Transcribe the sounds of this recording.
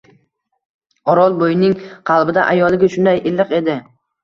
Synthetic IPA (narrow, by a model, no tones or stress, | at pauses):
ɒɾɒlˠbojɪnɪŋqʰɑlˠbɪd̪a̰ʔajɒlˠɪɡʲɪʃʊnd̪ajʔɪlːɨqe̞d̪ɪ